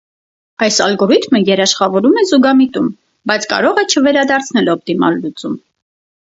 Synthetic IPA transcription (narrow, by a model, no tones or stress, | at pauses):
ɑjsɑlɡɔɾit̪ʰməjɛɾɑʃχɑvɔɾumɛzuɡɑmit̪um | bɑjt͡sʰkɑ̰ɾɔʁɛt͡ʃʰəvɛɾɑd̪ɑɾt͡sʰnɛlɔp̚t̪imɑ̰lːut͡sum